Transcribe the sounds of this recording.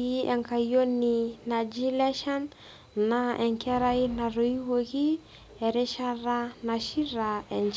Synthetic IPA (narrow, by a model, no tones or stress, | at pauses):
iɛŋkajoninad͡ʒilɛʃan | naɛŋkʰɛɾainaroiwoki | eɾeʃaranaʃiraɛnd͡ʒ